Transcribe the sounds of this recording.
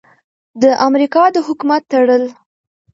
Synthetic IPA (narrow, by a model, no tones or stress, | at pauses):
d̪əʔamɾikɑd̪əɦʊkumat̪ːaɽəl